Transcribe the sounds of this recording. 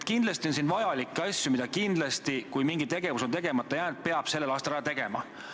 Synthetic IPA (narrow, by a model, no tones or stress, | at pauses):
t̪kind̥̪lɑst̪io̞nsiːnvɑjɑlikːˑɑsʲjumid̪ɑkind̪lɑst̪ikujmiŋɡ̥it̪e̞ɡe̞vusot̪e̞ɡe̞mɑt̪ːˑɑjæːnd̪̥̚pe̞ɑb̥se̞lːelɑːst̪ɑlɾɑjɑt̪e̞ɡ̥e̞mɑ